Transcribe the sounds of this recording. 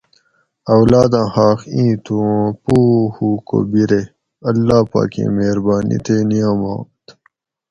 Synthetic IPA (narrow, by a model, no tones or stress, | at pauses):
ɐwlaːd̪ãːhaːxĩːt̪ũpuːhuːko̰biɾe | ɐlːaːpa̰ːkḛ̃ːmeːɾbaːnʔḭt̪enijaːmã̰ːt̪